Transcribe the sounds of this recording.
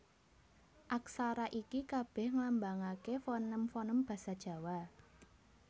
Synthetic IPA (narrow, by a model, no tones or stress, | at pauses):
ʔaksaɾaʔikikab̥ɛ̤hŋlambaŋakefɔnəmfɔnəmb̥a̤sad̥ʒ̥ä̤wa